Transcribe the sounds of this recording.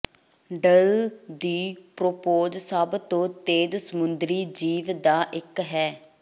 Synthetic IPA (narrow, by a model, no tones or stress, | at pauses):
ɖəld̪iːpɾopoːd͡ʒsəbt̪õːt̪eːd̪səmʊnd̪ɾiːd͡ʒiːʋd̪aːʔɪkɦɛː